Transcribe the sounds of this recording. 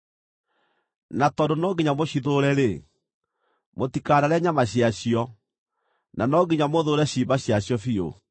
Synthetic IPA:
natɔndonɔɡiɲamoɕiðoɾɛɾe | motikaɾaɾɛɲamaɕiaɕiɔ | nanɔɡiɲamoðoɾɛɕiːbaɕjaɕjɔfio̰

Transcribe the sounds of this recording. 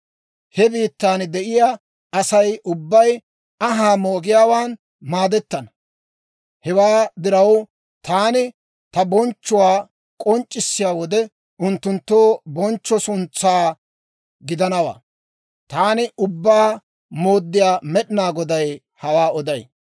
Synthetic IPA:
hɛbiːt̪ːaːnd̪ɛʔɪjaː | ɐsɐjʔʊbːɐj | ɐɦaːmoːɡɪjaːwaːn | maːd̪ɛt̪ːɐnɐ | hɛwaːd̪ɪɾɐw | t̪aːnɪ | t̪ɐbɔnt͡ʃːʊwaː | kʼɔnt͡ʃʼːɪsːɪjaːwɔd̪ɛ | ʔʊnt̪ːʊnt̪ːoːbɔnt͡ʃːɔsʊnt͡sːaː | ɡɪd̪ɐnɐwa̰ː | t̪aːnɪʔʊbːaː | moːd̪ːɪjaːmɛɗɪnaːɡɔd̪ɐj | hɐwaːɔd̪ɐj

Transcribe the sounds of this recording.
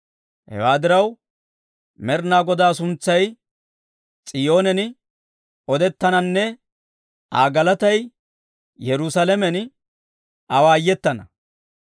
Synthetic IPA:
hɛ̰waːd̪ɪɾɐw | mɛɾnaːɡɔd̪aːsʊnt͡sːɐj | t͡sʼɪjo̞ːnɛn | ɔd̪ɛt̪ːɐnɐnːɛ | a̰ːɡɐlɐt̪ɐj | jɛɾʊsɐlɛmɛn | ɐwaːjːɛt̪ːɐnɐ

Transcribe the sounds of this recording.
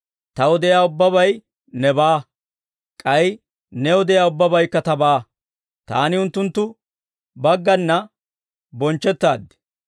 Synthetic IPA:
t̪ɐwɔd̪ɛjaːʊbːɐbɐj | nɛbaː | kʼɐj | nɛwɔd̪ɛjaːʊbːɐbɐjkːɐt̪ɐbaː | t̪a̰ːnɪʊnt̪ːʊnt̪ːʊ | bɐɡːɐnːɐ | bɔnt͡ʃːɛt̪ːaːd̪ːɪ̥

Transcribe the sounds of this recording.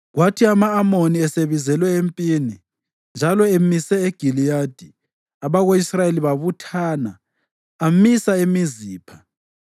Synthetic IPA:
ɣwatʰiamaːmoniɛseβizɛlwɛempʼiːni | nd͡ʒʱalɔemisɛeɡ̥ʱilijad̥ʱi | aβaɣoisrajeliβaβutʰaːnaː | misaemiziːpʰḁ

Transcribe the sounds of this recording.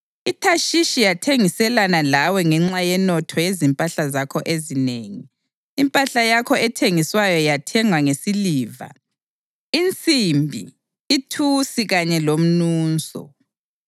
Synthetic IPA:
itʰaʃiʃijatʰeŋisɛlanalawɛŋɛŋ͡ǁajɛnɔtʰɔjezimpʼaɬazakʰɔʔezineːŋiː | mpʼaɬajakʰɔɛtʰeŋiswajɔjatʰɛŋwaŋesiliːva̰ | int͡sʼimbʱḭ | itʰusiɣaɲɛlom̩nuːnsʼɔ̰

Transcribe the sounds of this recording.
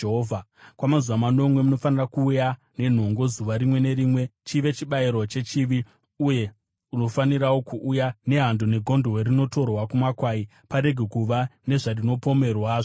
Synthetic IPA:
ɦoːvʱakwamazuʋamano̞mwe̞muno̞fanirakuːja | ne̞n̤o̞ŋɡo̞zuʋaɾimwe̞ne̞ɾiːmwe̞t͡ʃiʋe̞t͡ʃiɓaiɾwot͡ʃe̞t͡ʃiʋi | uje̞ | uno̞faniɾawo̞kuʔujane̞ɦandone̞ɡʱo̞ndoorino̞to̞rwakumakwai | paɾe̞ɡʱe̞kuʋane̞ʐarino̞po̞me̞rwaːʐo

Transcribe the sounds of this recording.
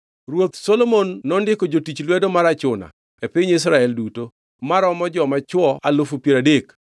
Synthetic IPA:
rwot̪solomonːɔndɪkɔd͡ʒotit͡ʃlwedomaɾat͡ʃʊna̰ | epɪɲis̬ɾaɛlduto | maɾɔmɔd͡ʒɔmat͡ʃwɔalofupjeɾadek

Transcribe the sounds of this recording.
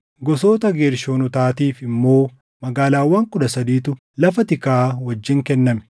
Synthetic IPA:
ɡɔso̞ːt̪ɐɡeːɾʃoːnʊt̪aːt̪iːfɪmːo̞ː | mɐɡaːlaːwːaːŋkʊd̪ɐsɐd̪iːt̪ʊ | lɐfɐt̪ɪkaːwɐd͡ʒːɪŋkɛnːɐmɛ̥

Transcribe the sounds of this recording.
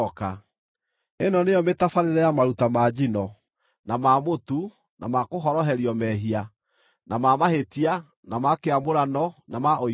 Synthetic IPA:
ka | enɔneɔmetafaɾeɾɛjamaɾutamad͡ʑinɔ | namamotu | nʔa̰makoɦɔɾɔɦɛɾiɔmɛɦia | nʔamamahetia | namakeamoɾanɔnamaʔo

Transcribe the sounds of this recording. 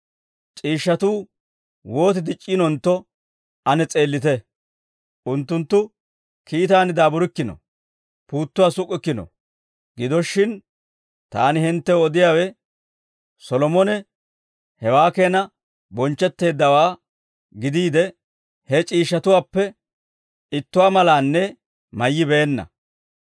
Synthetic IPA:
t͡ʃʼiːʃːɐt̪uː | wo̞ːt̪ɪd̪ɪt͡ʃʼːɪnɔnt̪ːɔ | ɐnɛt͡sʼe̞ːlːɪt̪ɛ | ʔʊnt̪ːʊnt̪ːʊ | kiːt̪aːnɪd̪aːbʊɾɪkːɪnɔ̰ | puːt̪ːʊwaːsʊkʼːɪkːɪnɔ̰ | ɡɪd̪ɔʃːɪn | t̪aːnɪhɪnt̪ːɛɔd̪ɪjaːwɛ | sɔlɔmɔnɛ | hɛwaːke̞ːnɐ | bɔnt͡ʃːɛt̪ːe̞ːd̪ːɐwaː | ɡɪd̪iːd̪ɛ | hɛt͡ʃʼiːʃːɐt̪ʊwaːpːɛ | ɪt̪ːʊwaːmɐlaːnːɛ | mɐjːɪbe̞ːnːɐ̰

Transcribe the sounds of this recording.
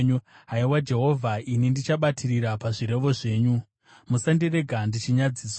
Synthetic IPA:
ɲuɦaiwad͡ʒe̞ɦo̞vʱaʔinindit͡ʃaɓatʰiriɾapaʐiɾe̞ʋo̞ʐe̞ːɲu | musandire̞ɡʱandit͡ʃiɲad͡ziːs

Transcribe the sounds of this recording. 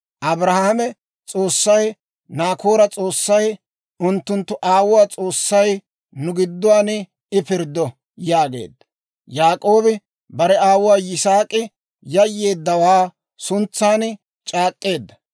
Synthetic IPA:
ʔɐbɾɐhahɐmɛ | t͡sʼo̞ːsːɐj | naːkoːɾɐt͡sʼo̞ːsːɐj | ʊnt̪ːʊnt̪ːʊʔaːwʊwaːt͡sʼo̞ːsːɐj | nʊɡɪd̪ːʊwaːn | ɪpɪɾd̪ːɔ | jaːɡe̞̰ːd̪ːɐ | jaːkʼo̞ːbɪ | bɐɾɛaːwʊwaːjɪsaːkʼɪ | jɐjːe̞ːd̪ːɐwaː | sʊnt͡sːaːn | t͡ʃʼaːkʼːe̞ːd̪ːɐ

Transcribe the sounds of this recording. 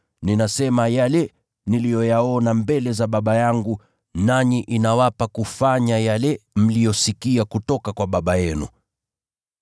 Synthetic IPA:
ninasɛmajalɛ | nilijɔjaɔnambɛlɛzaɓaɓajaŋɡu | naɲiʔinawapakufaɲajalɛm̩lijɔsikiakutɔkakwaɓaɓajɛnṵ

